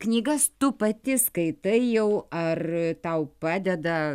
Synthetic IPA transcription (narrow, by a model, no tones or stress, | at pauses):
knʲiːɡɐst̪ʊpɐt̪ʲɪskɐɪt̪ɐɪjɛʊɐrt̪ɐʊpɑːd̪ʲɛd̪ɐ